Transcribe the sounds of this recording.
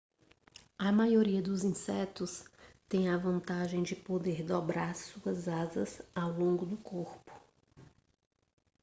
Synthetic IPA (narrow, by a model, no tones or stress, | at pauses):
ɐmajoɾiɐd̪ʊzĩsɛt̪ʊst̪ẽj̃ɐvɐ̃nt̪aʒẽj̃d͡ʒɪpod̪eɾd̪ɔbɾaɾɾsuɐzazɐzawlõɡʊd̪ʊkʰoɾpʊ̥